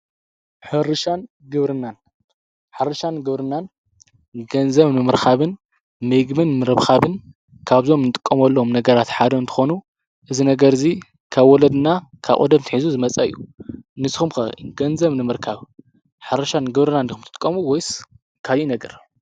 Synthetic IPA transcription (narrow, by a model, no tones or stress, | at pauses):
ħɨɾɨʃan | ɡɨβɾɨnan | ħɨɾʃanɡɨβɾɨnːan | ɡɐnzɐβnɨmɨɾkʰaβɨn | mɨjɡmɨnmɨɾɐβxʰaβɨn | kʰaβzo̞mnɨt̪ʼɨ̥kʼːɐmɐlːɐomnɐɡɐɾat̪ħad̪ɐɨnt̪ʰɨ̥xo̞nu | ʔɨzinɐɡɐɾzi | kʰaβwɔlɐd̪ɨnakʰa̰βʔʼo̰d̪ɐmt̪ʰɨħizuzɨmɐt͡sʼɐɨ̰jːunɨsxumkɐ̰ɡɐnzɐβnɨmɨɾkʰaβ | ħɨɾɨʃanɡɨβɾɨnanixumt̪ʰɨt̪ʼɨ̥kʼːɐmuwɔjs | kʰajinɐɡɐɾ